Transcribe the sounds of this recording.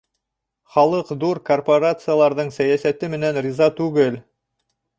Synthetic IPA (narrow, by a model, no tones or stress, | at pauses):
χɑlˠɤqd̪uɾkorpoɾat̪sɨjalˠɑɾðɤɴsæjæsæt̪ɘmɘ̆nænrʲizat̪ʉɡɘl